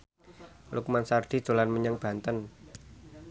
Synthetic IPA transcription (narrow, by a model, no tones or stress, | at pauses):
lukmansard̪̥i̤̥ʒ̥o̤lanməɲəŋb̥a̤nt̪ən